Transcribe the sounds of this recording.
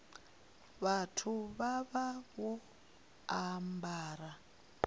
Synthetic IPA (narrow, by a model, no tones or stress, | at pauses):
βatʰuβaβaβɔ | ambaːɾa